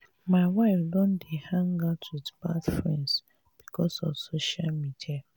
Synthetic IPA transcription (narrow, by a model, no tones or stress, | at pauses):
maɪwaɪfdɔ̃ndehãŋɡatʰwidbadfɹɛ̰̃ns | b̥ikʰɔsɔfsoʃalmidia